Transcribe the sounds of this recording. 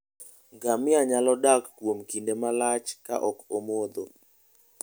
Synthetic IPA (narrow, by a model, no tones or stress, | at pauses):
ɡamɪaɲalɔdakːwomkindemalat͡ʃka̰ʔɔkomod̪o̰